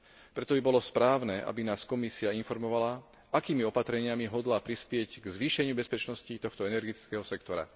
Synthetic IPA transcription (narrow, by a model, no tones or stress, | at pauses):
pɾɛt̪ɔbibɔlɔspɾaːʊnɛːʔa̰binaːskɔmisiainfɔɾmɔʋala | ʔakiːmiɔpat̪ɾɛɲɪamiɦɔd̪lapɾispɪɛɟɡzʋiːʃɛɲɪubɛspɛt͡ʃnɔscit̪ɔxt̪ɔɛnɛɾɡit̪i̥t͡skɛɦɔsɛkt̪ɔɾa̰